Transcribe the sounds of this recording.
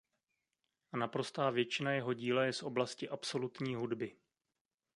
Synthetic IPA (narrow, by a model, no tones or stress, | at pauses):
napɾo̞st̪aːvjɛt͡ʃɪnajɛɦo̞ɟiːlajɛsʔo̞blascɪʔapso̞lut̪ɲiːɦudbɪ